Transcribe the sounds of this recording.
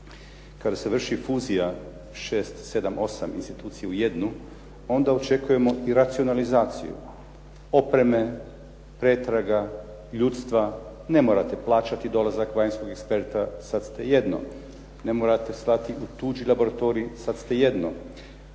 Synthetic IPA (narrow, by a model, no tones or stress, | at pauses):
kad̪ase̞ʋr̩ʃifuːzija | ʃe̞ːst̪se̞d̪amʔo̞samḭnst̪it̪uːt̪sijeuje̞d̪nu | o̞nd̪ao̞t͡ʃe̞kuje̞mo̞ʔiɾat̪sio̞nalizaːt̪sḭjṵ | o̞pɾe̞me̞ | pɾet̪ɾaɡa | ʎut̪st̪ʋa | ne̞mo̞ːɾat̪e̞plˠaːt͡ʃat̪id̪o̞lazakʋaːjnsko̞ɡekspe̞ɾt̪asad̪st̪e̞je̞d̪no̰ | ne̞moɾat̪e̞st̪lat̪iut̪uːd͡ʒilˠabo̞ɾat̪o̞ːɾiːsat̪st̪e̞je̞d̪no̰